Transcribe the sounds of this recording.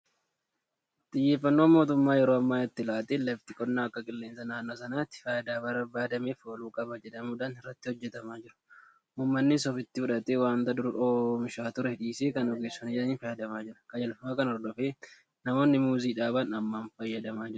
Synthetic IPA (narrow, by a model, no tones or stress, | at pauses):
t̪ʼɪjːeːfːɐnːo̞ːmo̞ːt̪ʊmːaːjɛɾoːɐmːaːɛt̪ːɪlaːt̪eːlɐft̪ɪkʼɔnːaːɐkːɐkʼɪlːeːnsɐnaːnːoːsɐnaːt̪ːɪ̥fɐjɐd̪aːbɐɾɐbaːd̪ɐmeːfoːluːkʼɐbɐd͡ʒɛᶑɐmuːᶑaːnɪrːɐt̪ːɪhɔd͡ʒːɛt̪ɐmaːd͡ʒɪɾɐ̥ | ʔuːmːɐnːɪsɔfɪt̪ːɪfʊᶑɐt̪eːwaːnt̪ɐd̪ʊɾʔoːmɪʃaːt̪ʊɾɛhɪᶑiːseːkɐnɔɡeːsːɔnɪd͡ʒɛᶑɐniːnfɐjɐd̪ɐmaːd͡ʒɪɾɐ̥kɐd͡ʒɐlfɐmaːkɐnɔɾd̪ɔfeː | nɐmo̞ːnːɪmuːziːᶑaːbɐnɐmːaːnfɐjːɐd̪ɐmaːd͡ʒɪɾ